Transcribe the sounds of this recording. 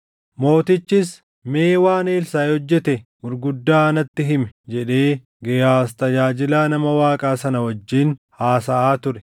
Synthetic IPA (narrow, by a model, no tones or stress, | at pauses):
mo̞ːt̪ɪt͡ʃːɪs | me̞ːwaːneːlsaːjhɔd͡ʒːɛt̪ɛ | ʊɾɡʊd̪ːaːɐnɐt̪ːɪɦɪmɛd͡ʒɛᶑe̞ː | ɡɛjaːst̪ɐd͡ʒaːd͡ʒɪlaːnɐmɐwaːkʼaːsɐnɐwɔd͡ʒːiːnhaːsɐʔaːt̪ʊɾɛ